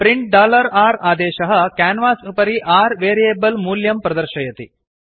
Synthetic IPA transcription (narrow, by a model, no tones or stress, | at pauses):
pɾiɳʈ̚ɖaːlɐɾaːɾaːd̪eːʃɐɦɐkaːnʋaːsupɐɾiʔaːɾʋeːɾijeːbɐlmuːljɐmpɾɐd̪ɐɾʃɐjɐt̪ḭ